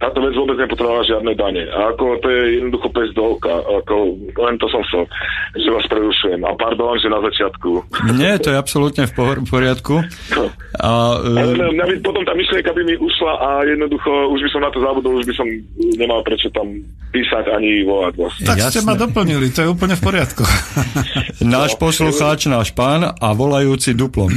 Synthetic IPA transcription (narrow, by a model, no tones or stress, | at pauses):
t̪aːt̪ɔʋɛd͡zʋʊɔbɛd͡zɲɛpɔt̪ɾɔalaʒɪad̪nɛd̪aɲɛʔa̰ːkɔt̪ɔjɛjɛd̪nɔd̪uxɔpɛzd̪ɔʊka̰akɔlɛnt̪ɔsɔmsaʒɛʋaspɾɛɾuʃujɛma̰paɾd̪ɔɔnʒɛnazat͡ʃɪat̪kuɲɛt̪ɔjɛapsɔlut̪ɲɛfpɔfpɔɾɪat̪ku | alɛmɲabipɔt̪ɔmt̪aːmiʃlɪɛŋkabimiʔuʃlaʔajɛd̪nɔd̪uxɔuʒbisɔmnat̪ɔzabud̪ɔluʒbisɔm | ɲɛmalpɾɛt͡ʃɔt̪am | piːsacaɲiʋɔlaɟʋa̰st̪ajscɛmad̪ɔpl̩ɲilit̪ɔjɛuːp̬l̩ɲɛfpɔɾɪat̪ku | naːʃpɔsluxaːt͡ʃnaːʃpaːnaʋɔlajuːt͡sid̪uplɔm